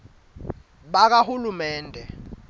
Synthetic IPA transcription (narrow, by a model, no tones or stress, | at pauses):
ɓak̬ahulumɛːndʱɛ